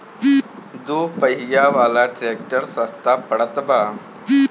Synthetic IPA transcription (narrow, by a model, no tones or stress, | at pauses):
d̪upəɦijaʋalaʈɾek̚ʈəɾsəst̪apəɽət̪ba